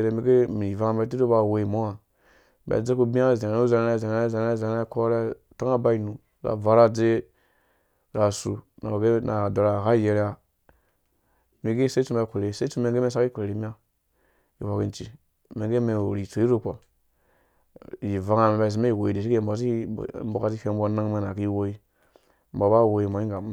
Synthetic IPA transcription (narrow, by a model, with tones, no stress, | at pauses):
ɾe˨mi˨˦ɡe˦mi˨i˨va˦ŋa˨me˨t̬i˦o˦ba˨we˨i˨mo˦a˨ | bḛ˨d͡ze˦ku˦bi˦a˦˨ze˨n˨˦za˦n˦ɾe˦˨za˨n˨˦ɾe˦zn˦ɾe˦˨za˨n˦ɾa˦ko˦ɾe˦ | ta˦a˦ba˦i˨nu˨ | ɾa̰˨va˨ɾa˦d͡ze˦ | ɾa˨su˨na̰˨a˨ɡe˦na˨do˨ɾa˨ha˦je˨ɾja˨ | mi˨ɡe˦se˦t͡su˦m˦a˨kʷe˨ɾe˨˦se˦i˦u˦me˨ŋ˦ɡe˦me˦sa˦ki˦kʷe˨ɾe˨ɾi˦mi˦a˦ | i˨wa˨kḭ˦˨n˦t͡ʃi˨ | me˨ɡe˦me˨ɾi˨t͡so˨i˦ɾo˦ko˨ | ji˨va˦ŋa˨me˨ba˨i˨s̬i˨˦me˦i˨wo˨i˨de˨ʃi˦kmbo˨˦s̬ḭ˦mbo˨ka˨˦si˦fe˦m˦bo˦na˦ŋme˨na˨ki˦wo˦i˦ | m̩bo˨ba˦˨wo˨i˨mbo˨˦i˦ŋɡa˨˦